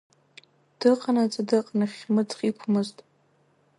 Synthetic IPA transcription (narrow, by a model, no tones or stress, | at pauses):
d̥ɨqʼanat͡sʼadɨqʼnaχʲmɨt͡sχʼikʷʰmɨztʼ